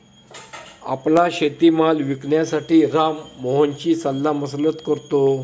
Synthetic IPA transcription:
a̰plaɕet̪iːmalʋikɳjasaʈiːɾamːoɦənt͡ɕiːsalːaməslət̪kəɾt̪o

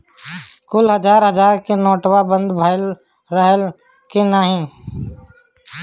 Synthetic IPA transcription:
kʊlɦəd͡ʒaːɾɦəd͡ʒaːɾkenɔːʈwabə̃nd̪bʱaɪl | ɾəɦəl | kenaːɦĩ

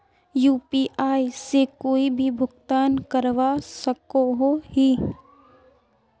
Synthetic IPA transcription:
juːpiːʔaːisekoːibʱibʱʊɡt̪aːnkəɾʋasɐkoɦohiː

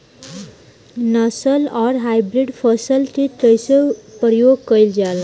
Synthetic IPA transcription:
nʌsəlɔɾɦajbɾiɖpʰʌsəlt̪ʰit̪əjsəpjoɡ̚kʌjld͡zal

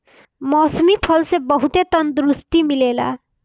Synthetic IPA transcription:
mʌsmipʰʌlsebʌɦut̪et̪ʌnd̪ɾust̪imilela̰

